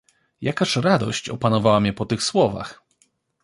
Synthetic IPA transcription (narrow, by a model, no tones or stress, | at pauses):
jakaʂɾad̪ɔ̰ɕt͡ɕɔ̰panɔvawamʲɲɛpɔt̪ɘxswɔva̰x